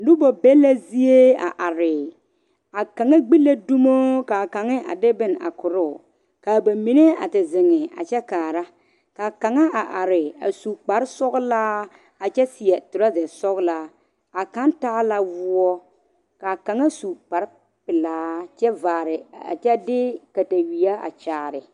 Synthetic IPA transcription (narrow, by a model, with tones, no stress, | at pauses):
dʊ˦bɔ˨bɛ˦la˦zi˦e˦a̰˨ʔa˨ɾɪ˨ | a˨ka˨ŋa˦ɡ͡bi˦la˦du˦mo˦ka˨ka˨ŋɪ˦ʔa̰˨dɪ˦bɪ˦na̰˨kʊ˨ɾʊ˦˨ | ka˨ba˨mi˨ne˦a̰˨tɪ˨zɪ˨ŋɪ˨a̰˨t͡ʃɛ˦kaː˨ɾa˦ | ka˨ka˨ŋa˦a˨ʔa˨ɾɪ˨a̰˨su˨k͡pa˨ɾɪ˦sɔ˦ɣlaː˦ | a˨t͡ʃɛ˦sɪ˨ɛ˨tʊ˨ɾa˦zɛ˨sɔ˦ɣla˦ | a˨ka˦n˦taː˦la˦vʊ˦ɔ˦ | ka˨ka˨ŋa˦su˨k͡pa˨ɾɪ˦ | pɪ˨laː˦t͡ʃɛ˦vaː˨ɾɪ˨a̰˨t͡ʃɛ˦dɪ˦ka˨ta˨wi˨a˦a̰˨t͡ʃaː˨ɾɪ˨